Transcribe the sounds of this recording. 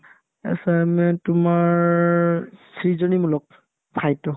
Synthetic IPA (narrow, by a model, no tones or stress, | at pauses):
ɛ̰samɛtʊmaɹ | sɹizɔnimulɔk̚ | pʰajtɔ